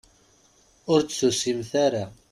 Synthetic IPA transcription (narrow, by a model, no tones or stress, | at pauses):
ʊɾt͡sːusimθaɾa